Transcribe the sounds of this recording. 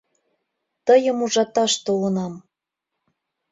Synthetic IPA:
t̪əjə̆muʒɑt̪ɑʃt̪olɤ̆nɑm

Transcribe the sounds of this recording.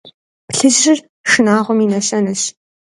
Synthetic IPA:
pɬɨʑrɪr | ʂɨnaːʁʷɔmiːnɐɕɐnɐɕ

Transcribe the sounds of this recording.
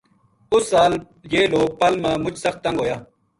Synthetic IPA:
ʊsːaːl | jeːloːɡ̚pɐlmãːmʊt͡ʃʰsɐxt̪ːɐ̃ŋɡɦoːjaː

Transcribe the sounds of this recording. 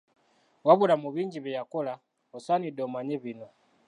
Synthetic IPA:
waβuɾamuβiɲd͡ʒiβɛjakɔla | ɔsanidɔmaɲɛβina

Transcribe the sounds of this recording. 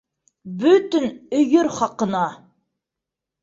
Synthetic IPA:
bɵt̪ɘnɵjɵɾχɑqə̆nɑ

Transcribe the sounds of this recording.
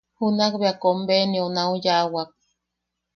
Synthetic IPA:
hunakbeakombenionaũjaʔwak̚

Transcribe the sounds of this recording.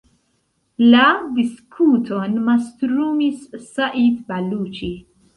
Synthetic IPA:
lad̪iskʰuːt̪ʰonmast̪ɾuːmissaʔit̪baluːt͡ʃi

